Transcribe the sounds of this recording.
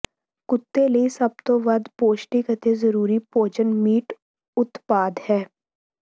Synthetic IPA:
kʊt̪ːeləisɐb̚t̪õʋɐd̪poːʃʈikət̪ezəɾuːɾipoːt͡ʃənmiːʈ | ʊt̪paːd̪hɛː

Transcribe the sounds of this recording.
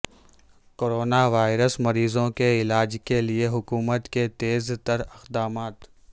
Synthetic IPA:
koːɾoːnaʋaːɪɾəsmɐɾiːzõkeɪlaːd͡ʒkelieɦʊkuːmət̪ket̪eːzt̪ɐɾɪxd̪aːmaːt̪

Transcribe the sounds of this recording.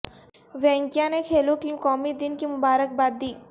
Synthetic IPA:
ʋɛ̃ŋkjãnekʰelokimkɔmiːd̪inkimubaɾək̚bad̪ːiː

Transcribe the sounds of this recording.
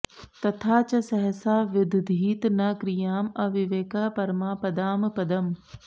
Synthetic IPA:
t̪ɐt̪ʰaːt͡ʃɐsɐɦsaːʋɪd̪ʱd̪ʱiːt̪nɐkɾijaːmɐʋɪʋeːkaːpɐɾmaːpɐd̪aːmpɐd̪ɐm

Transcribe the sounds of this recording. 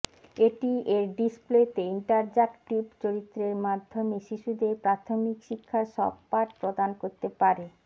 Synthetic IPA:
eʈieɾɖisplet̪eiɳʈaɾd͡ʑakʈibt͡ɕoɾit̪ːɾeɾmad̪ʱːomeʃiʃud̪epɾat̪ʰomikʃikʰːaʃɔ̰b̚ːaʈ̚pɾod̪ankoɾt̪epaɾe

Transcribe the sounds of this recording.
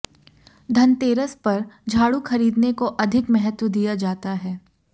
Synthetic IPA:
d̪ʱɐnt̪eːɾəspɐɾd͡ʒʱaːɽuxɐɾiːd̪nekoʔɐd̪ʱɪkmɛɦət̪wəd̪ijad͡ʒaːt̪aɦɛː

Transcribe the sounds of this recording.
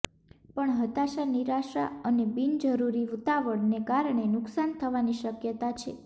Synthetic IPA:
pəɳɦət̪aʃaniɾaʃɾa̰ənebind͡ʒəɾuɾiʋut̪aʋəɽnekaɾɳenʊksant̪ʰəʋaniʃəkjət̪at͡ʃʰḛ

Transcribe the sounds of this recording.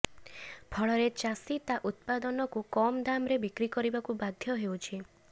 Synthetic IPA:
pʰɔɭɔɾet͡ʃasit̪aʔut̪̚pad̪ɔnɔkukɔmd̪amɾebikɾikɔɾibakubad̪ʱjɔɦeut͡ʃʰi

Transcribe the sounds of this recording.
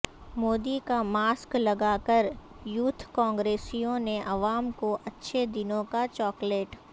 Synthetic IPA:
moːd̪ikamaːsklɐɡaːkəɾ | juːt̪ʰkɔ̃ːŋɡɾeːsijõneʔɐʋaːmkoʔɐtːʃʰed̪ɪnõkat͡ʃɔːkleːʈ

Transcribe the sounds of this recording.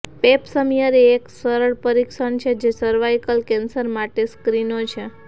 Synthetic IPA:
pepsəmijəɾeeksəɾəɭpəɾikʃəɳt͡ʃʰed͡ʒesəɾʋajkəlkɛnsəɾmaʈeskɾinot͡ʃʰe

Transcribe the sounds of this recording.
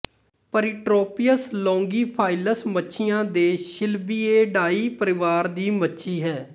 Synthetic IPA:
pəɾɪʈɾoːpɪjəslɔ̃ːŋɡiːpʰaːɪləsmətːʃʰɪjãːd̪eːʃɪlbiːeːɖaːiːpəɾɪʋaːɾd̪iːmətːʃʰiːɦɛː

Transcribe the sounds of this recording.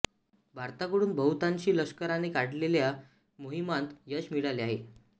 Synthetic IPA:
bʱaɾt̪akəɽuːnbʱəɦut̪ãɲt͡ɕiːləɕkəɾanekaɽlelja | moɦimant̪jəɕmiɽaleaɦe

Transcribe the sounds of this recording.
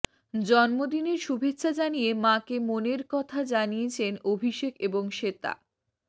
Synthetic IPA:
d͡ʑɔnmod̪ineɾʃubʱetːʃʰad͡ʑanijemãkemoneɾkɔt̪ʰad͡ʑaniet͡ɕʰenobʱiʃekeboŋʃet̪a̰

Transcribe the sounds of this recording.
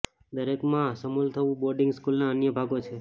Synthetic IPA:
d̪əɾekmãsəmult̪ʰəʋũboɾɖɪ̃ŋɡskulnaənjəbʱaɡot͡ʃʰe

